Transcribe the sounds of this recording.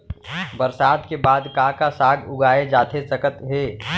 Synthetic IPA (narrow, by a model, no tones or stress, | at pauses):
bɐɾsaːd̪kebaːd̪kakasaːɡʊɡaːed͡ʒaːt̪ʰesɐkət̪ɦeː